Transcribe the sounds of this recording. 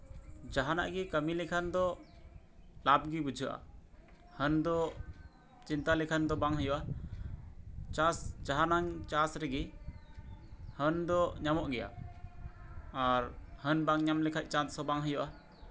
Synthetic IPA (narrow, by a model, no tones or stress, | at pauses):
d͡ʒaɦana̰ʔɡikəmilɛkʰand̪ɔ | lab̚ɡibud͡ʒʱɯʔa̰ | hənd̪ɔ | t͡ʃint̪alɛkʰand̪ɔbaŋɦəjuʔa | t͡ʃasd͡ʒaɦanaŋt͡ʃasɾɛɡi | hənd̪ɔɲamɔʔɡɛja̰ | ɾhənbaŋɲamlɛkʰac̚t͡ʃansɔbaŋɦəjuʔa